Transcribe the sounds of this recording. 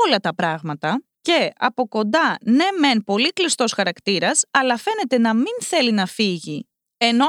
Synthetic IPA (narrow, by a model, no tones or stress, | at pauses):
olɐt̪ɐpɾɐɣmɐt̪ɐ | ce̞ɐ̰po̞ko̞nd̪ɐne̞me̞npo̞liklist̪o̞sxɐɾɐkt̪iɾɐsɐlɐfe̞ne̞t̪e̞nɐminθe̞linɐfiʝi | e̞no̞